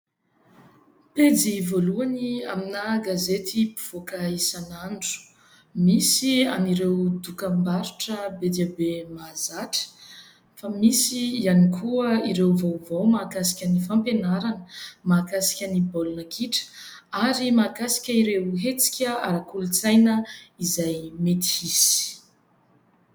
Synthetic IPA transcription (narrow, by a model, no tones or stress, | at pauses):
ped͡zivoluania̰minaɡazet̪ipu̥v̥okaisanaɳɖ͡ʐu̥ | misia̰niɾewd̪ukəmbaɾuʈ͡ʂəbed̪abemazaʈ͡ʂə̥ | famisiːanikʰuəiɾewvowvowmaːkasi̥kʲənifampenaɾanəmakasi̥kʲənibolunəkʰiʈ͡ʂə̥ | aɾimakasi̥kʲəiɾewɦet͡si̥kʲəa̰ɾakulut͡sajnəizajmet̪i̥isi̥